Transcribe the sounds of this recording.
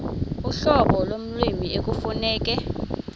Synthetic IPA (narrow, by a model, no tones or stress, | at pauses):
uɬɔɓɔlom̩lwimiek̬ufunɛːk̬ʼɛ